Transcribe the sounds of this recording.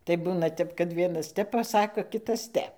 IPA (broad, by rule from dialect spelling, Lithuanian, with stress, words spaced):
tɐɪ ˈbuːnɐ ˈtʲɛp kɐt ˈʋʲiɛnɐs ˈtʲɛp pɐˈsɑːkoː ˈkʲɪtɐs ˈtʲɛp